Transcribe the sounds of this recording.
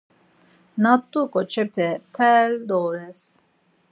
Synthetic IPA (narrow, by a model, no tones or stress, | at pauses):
nat̪ʼːukʼɔt͡ʃʰɛpʰɛt̪ʰɛld̪ɔɾɛs